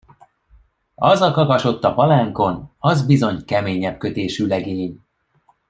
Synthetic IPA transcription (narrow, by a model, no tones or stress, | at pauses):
ɒzɒkɒkɒʃo̞t̪ːɒpɒlaːŋko̞nɒzbizo̞ɲkɛmeːɲɛpkø̞t̪eːʃyːlɛɡeːɲ